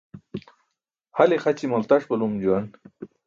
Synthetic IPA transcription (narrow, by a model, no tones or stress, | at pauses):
halexat͡ɕimalt̪aʂpəlumd͡ʑuwan